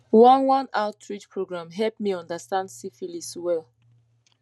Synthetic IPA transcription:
wʌ̃nwʌ̃naʊtʰɹit͡ʃpʰɹoɡɹãmɦɛlpmiʌ̃ndəstãndsifiliswɛlˠ

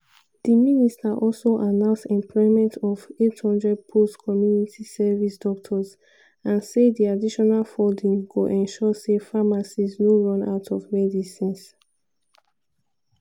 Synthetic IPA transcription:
d̥iministaʔɔlsoʔanãʊ̃nsɛ̃mpʰlɔɪmɛ̃ntʰɔvethɔ̃ndɹɛd̚pʰoskʰɔmjunitisɛvisdɔk̚tʰɔz | ãnsediadiʃɔnalfɔldĩŋɡoʔɛ̃nʃɔsefamasisnoɹɔ̃na̰ʊtʰɔvmɛdisĩns

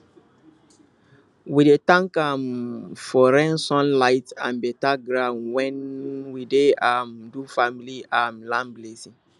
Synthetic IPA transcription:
widetãŋkamfɔɾɛ̃nsɔ̃nlaɪtã̰nbɛtaɡɾãnwɛ̃nwideamdufamiliamlãnblesĩŋ

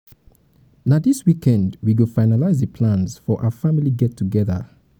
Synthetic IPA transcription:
naðiswikɛ̃ndwiɡofaɪnalaɪzðəpʰlãnsfɔʔa̰wəfamiliɡɛtʰːuɡɛðə̰

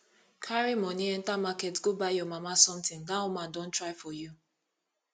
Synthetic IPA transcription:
kʰaɾimɔniɛn̩tamaketɡobajɔmamasɔm̩tɪ̃ŋdaɔmãndõn̩tɾaɪfɔju

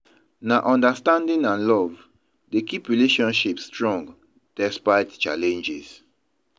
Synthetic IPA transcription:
naʔɔ̃ndastãndĩnãnlɔv | dekipɹileʃɔ̃nʃipsstɹɔ̃ŋɡ | d̥ɛspaɪtt͡ʃalɛ̃nd͡ʒis

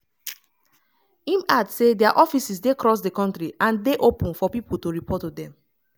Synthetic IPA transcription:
ĩmadsedɛaʔɔfisisdekɹɔs̬dekɔ̃ntɹiãndeʔopũnfɔpipul̩toɹipʰɔtudɛ̃m

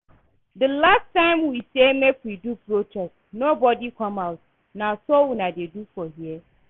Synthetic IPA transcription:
dəlastːãɪ̃mwisemekwidupɾotɛs | nobɔdikʰɔ̃maʊt̚ | nasowinadedufɔɦiɛ

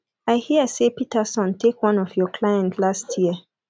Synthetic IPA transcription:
aɪhiəsepitəsɔ̃ntʰekwɔ̃nɔfjɔkʰlajɛ̃ntʰlastʰjiə

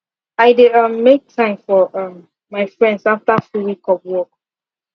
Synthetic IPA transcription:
aɪdʌ̃mːek̚tʰãɪ̃mfɔʌ̃mː | aɪfɹɛ̃ndzaftafɹuwikɔvwɔk̚

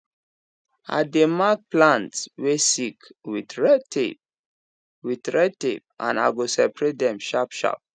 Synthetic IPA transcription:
a̰demak̚plãntswesikwitɹɛtḛp̚ | witɹɛd̚tep̚ʔã̰na̰ɡosɛpɹedɛ̃mʃapʃa̰p̚

